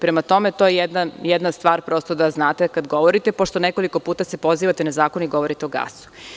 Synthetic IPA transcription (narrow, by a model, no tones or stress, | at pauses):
pɾemat̪o̞met̪ojejed̪nanjɛd̪nast̪ʋaːɾpɾo̞st̪od̪aznaːt̪ekad̪ɡo̞ʋo̞ɾit̪epo̞ʃt̪o̞neko̞liko̞puːt̪asepo̞ziːʋat̪enazaːko̞niɡo̞ʋoɾit̪eoɡa̰su̥